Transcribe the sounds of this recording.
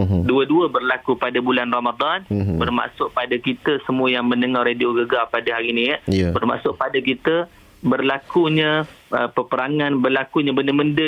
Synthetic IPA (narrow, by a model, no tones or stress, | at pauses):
duəduəbərlakupadabulanromad̪ˤanbərma̰ʔsʊʔ̚padakit̪əsəmuəjaŋmə̃nəŋɔhradioɡəɡapadaɦaɾiniəbərma̰ʔsʊʔ̚padakit̪ə | bərlakuɲə̃əpəpəɾaŋãnbərlakuɲabəndəməndə